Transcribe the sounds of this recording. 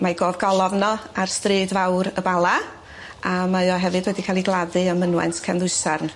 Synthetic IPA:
majɡoːvɡɔlˠɔvnɔarstrɨːdvawɾəbalˠa | amajɔɦɛvɨdwɛdikʰaːlˠiɡlˠaðɨəmənwɛ̰ntkʰanðʊɨsarn

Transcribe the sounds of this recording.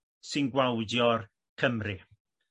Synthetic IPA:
sɨnɡwawdjɔr | kʰəmri

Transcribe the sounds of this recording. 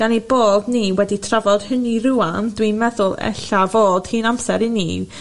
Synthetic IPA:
ɡ̥aniboːdniːwɛditʰravɔd̥həniɾuandwinmɛðʊlˠɛ̰ɬavoːd̥hiːnamsɛɾinḭ

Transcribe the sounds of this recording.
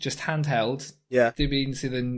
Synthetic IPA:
d̥ʒ̥əsthãndɦɛlˠd̥jad̥ɪbinsɪðən

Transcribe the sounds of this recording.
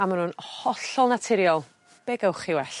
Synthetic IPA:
amanunhɔɬɔlˠnatʰɪɾjɔlˠ | b̥eɡəwχɪwɛɬ

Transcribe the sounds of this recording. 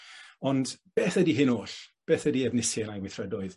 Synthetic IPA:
ɔndb̥eːθədiɦɪnoːɬb̥eːθədiɛvnɪsjɛnajwɪθrɛdɔɨð

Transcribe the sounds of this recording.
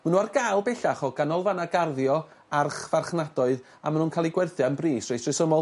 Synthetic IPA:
manuarɡalˠbɛɬaχɔɡ̥anɔlˠvanaɡarðjɔ | arχvarχnadɔɨð | a̰manuːnkʰalˠiɡwɛrθjɔənbriːsrejsrɪsəmɔlˠ

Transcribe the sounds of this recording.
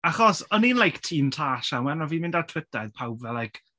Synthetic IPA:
aχɔsɔniːnlajktʰiːntʰaːʃaŋwɛnɔviːmɪ̃ndartʰw̥ɪtaɨðpʰawbvɛlajkʰ

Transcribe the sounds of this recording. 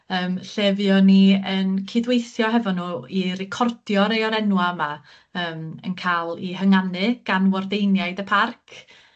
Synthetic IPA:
əːmɬɛvjɔniənkʰidwejθjɔɦɛvɔnːuːirɪkʰɔrd̥jɔɾejɔɾɛnwama | əːmə̰nkʰaːlˠiɦəŋanɨɡ̥anwɔrdejnjaɨdəpʰarkʰ

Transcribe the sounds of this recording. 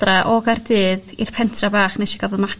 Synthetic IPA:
raʔɔɡardɨːðir̥pʰɛntʰrabaːχnɛʃiɡavɔðma

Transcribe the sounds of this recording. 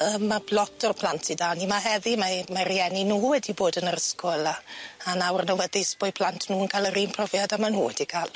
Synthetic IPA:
əːmːablˠɔtʰɔrpʰlantʰidaːnimaɦɛðimamarijɛninuːwɛdiboːdənəɾəskɔlˠaanawrnɔwəðispɔjpʰl̥ˠantʰnuːənkʰaləɾiːnpʰrɔvjadamanṵːwɛdikʰaːlˠ

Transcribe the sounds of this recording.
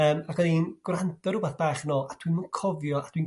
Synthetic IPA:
əːmaɡɛðinɡ̥rantʰɔɾubaθb̥aːχnɔʔad̥wimakʰɔvjɔad̥win

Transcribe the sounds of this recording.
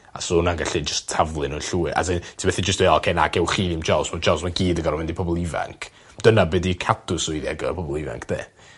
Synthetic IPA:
a̰sɔnanɡaɬid͡ʒəstʰːavlˠɨnunɬuːɨʔa̰sɪntʰibɛθid͡ʒəstweːɔkʰɛnaɡʰɛwχiːnimd͡ʒawsmad͡ʒawsmaɡiːdəɡɔɾɔmɪndipʰɔbɔlˠiva̰ŋkʰ | d̥ənabɛdikʰatʰʊsʊjðiɛɡəpʰɔbɔlˠiva̰ŋkʰd̥ḛː

